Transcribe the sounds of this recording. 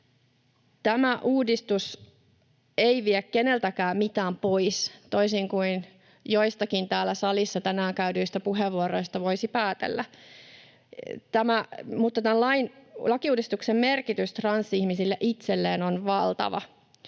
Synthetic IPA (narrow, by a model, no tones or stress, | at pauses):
t̪æmæʔuːdist̪us | eiʋiekkːe̞ne̞lt̪ækæːmmit̪æːmpoist̪o̞isiŋkuin | joist̪ɑkint̪æːlːæsɑlisːɑt̪ænæːŋkæydyist̪æpuɦeʋːuoɾo̞ist̪ɑʋo̞isipæːt̪ḛlːæ | t̪æmæmut̪ːɑt̪ænlɑinlɑkiuːdist̪uksemmerkit̪yst̪rɑnsːihmisilːeʔit̪selːeːnonʋɑlt̪ɑ̰ʋɑ̰